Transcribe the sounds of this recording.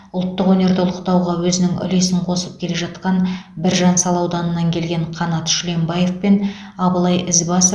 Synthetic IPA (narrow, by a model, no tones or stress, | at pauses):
ʊlˠt̪ːəqwɵne̞ɾd̪ɪʊlˠəqt̪ɑwʁɑwɵzɪnɪŋʏ̰le̞sɪɴqʰo̞səp̚kʲʰele̞ʒɑt̪qɑnbɪɾʒɑnsɑlˠɑwd̪ɑnənːɑŋkʲʰe̞lɡʲe̞ɴqʰɑnɑt̪ʃʏle̞mbɑje̞fpe̞n | ɑbəlˠɑjɪzbɑsə